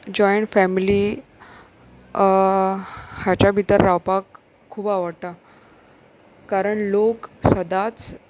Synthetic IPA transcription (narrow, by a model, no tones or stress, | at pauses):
d͡ʑɔjɳʈfɛmili | hjat͡ɕabʱit̪əɾːawpakʰː | uːbaʋəɽʈ̪a | kaɾəɳloksəd̪at͡s